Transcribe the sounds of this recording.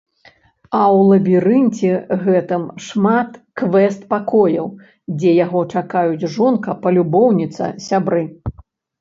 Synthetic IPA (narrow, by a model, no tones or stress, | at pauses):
ɐwlˠɐbʲiɾɨnʲt͡sʲɛɣɛt̪ɨmʂmat̪kvɛst̪pakɔjɐ̰w | d͡zʲɛjaɣɔt͡ʂakajud͡zʲʐɔnkɐpɐlʲubɔwnʲit̪sɐ̰sʲabɾɨ